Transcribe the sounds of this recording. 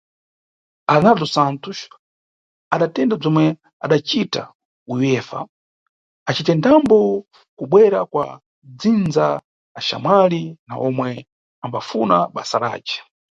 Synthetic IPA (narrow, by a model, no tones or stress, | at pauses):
anazɔsantuʃ | aɗatɛndab͡ʐɔmwɛ | a̰ɗat͡ʃita̰ | ujwɛfa̰ | at͡ʃitɛndambɔ | kuɓwɛɾakwa̰ | d͡zind͡zaː | ʃa̰malina̰ɔmwɛ | ambafunaɓasaɾa̰ːt͡ʃɛ̥